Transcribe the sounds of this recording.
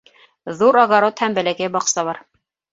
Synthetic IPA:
ðuɾɑɣɑɾot̪hæmbɘ̆lækæjbɑqsɑβɑɾ

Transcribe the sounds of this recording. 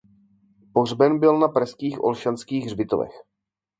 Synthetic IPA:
porbɛnbɪlnapɾɛskiːxʔo̰lʃanskiːɣrbɪt̪o̰vɛ̰x

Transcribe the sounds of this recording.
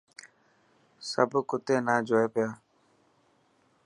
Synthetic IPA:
səbkʊt̪eːnaːd͡ʒoːeːpɪjaː

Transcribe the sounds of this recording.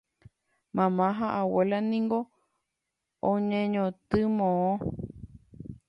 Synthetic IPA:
mãmãɦaʔawelanĩŋɡo | õɲẽɲõt̪ɨmõõ

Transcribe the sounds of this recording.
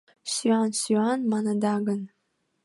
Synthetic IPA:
syɑnsyɑnmɑnɑd̪ɑɡən

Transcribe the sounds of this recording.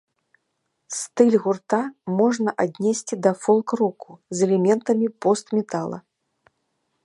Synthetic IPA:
st̪ɨlʲɣurt̪amɔʐnɐʔad̪ʲnʲesʲt͡sʲid̪ɐfɔlˠkrɔkuzɛlʲɛmʲɛnt̪ɐmʲipɔst̪mʲɛt̪alˠɐ̰

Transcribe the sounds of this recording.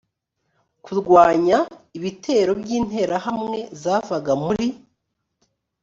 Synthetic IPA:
kuɾɡwaːɲaiβitʰe̞ːɾo̞bjiːn̥he̞ɾahamŋe̞zaːvaɡamuɾi

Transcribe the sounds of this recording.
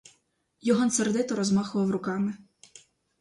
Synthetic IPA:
jɔɦɔnserd̪ɪt̪ɔɾɔzmɑxʊʋɐwɾʊkɑmɪ

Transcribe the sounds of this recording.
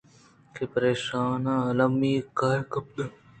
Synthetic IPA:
kepɐɾeːʃaːnaːɐlɐmːiːkaɾkɐp̚d̪

